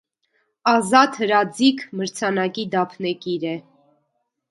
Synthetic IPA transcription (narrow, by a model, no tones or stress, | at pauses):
ɑzɑt̪həɾɑd͡zikʰməɾt͡sʰɑnɑkid̪ɑpʰnɛkiɾɛ